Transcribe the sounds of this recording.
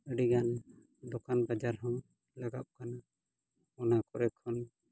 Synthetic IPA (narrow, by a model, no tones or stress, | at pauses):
əɖiɡan | dɔkanbad͡ʒaɾɦɔ̃ | laɡap̚kana | ɔnakɔɾɛkʰːɔn